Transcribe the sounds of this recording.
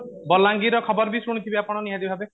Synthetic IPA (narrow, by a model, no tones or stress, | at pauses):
bɔlaŋɡiɾɔkʰɔbɔɾbisuɽ̃it̪ʰibiapɔɽ̃ɔniɦãd̪ibbʱabe